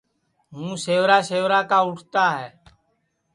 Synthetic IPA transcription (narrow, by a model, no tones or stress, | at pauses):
ɦũːseːʋɾaːseːʋɾaːkaːʊʈʰt̪aːɦɛː